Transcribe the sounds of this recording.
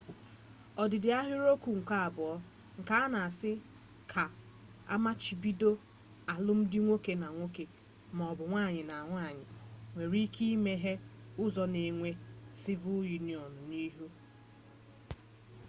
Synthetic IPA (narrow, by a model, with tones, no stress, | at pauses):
ɔ˨dɪ˨dɪ˨a˦ɦʊ˦ɾo˦kʷu˨ŋ̩˨kʷa˦a˨bʊ˨ɔ˦ | ŋ̩˨ka˦a˦na˨a˨sɪ˦ | kʰa˨ | a̰˦ma˦t͡ʃi˨bi˦do˦ | a˨lʊ˦m̩˦dɪ˦ŋʷo˦ke˨na˨ŋʷo˦ke˨ | ma˨ɔ˨bʊ˨ŋʷaː˦˨ɲɪ˨na˨a˨ŋʷa˦˨ɲɪ˨ŋʷe˨ɾi˦kʰi˦i˦me˦ɦe˦ | ʊ˦zɔ˨ne˨ŋʷe˦sɪ˦vʊ˦ju˨ni˦˨ɔ˨n̩˨ni˦ɦu˦